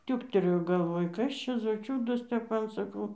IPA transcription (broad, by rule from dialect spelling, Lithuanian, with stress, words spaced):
ˈtʲuːktʲɛlʲeːjoː ɡɐlˠˈʋoːj ˈkɐs t͡ʃʲɛ zoː ˈt͡ʃʲuːdɐs ˈtʲɛp ˈmɐn sɐˈkɐʊ